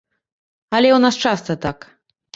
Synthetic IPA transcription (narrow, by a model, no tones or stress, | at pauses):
ɐlʲɛwnast͡ʂast̪ɐt̪ak